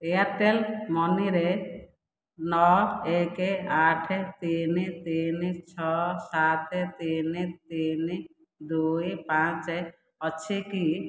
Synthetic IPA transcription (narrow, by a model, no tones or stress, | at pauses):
eaɾʈelmɔniɾe | nɔekeaʈʰet̪init̪init͡ʃʰɔsat̪et̪init̪ini | d̪ujpãt͡ʃe | ɔt͡ʃʰiki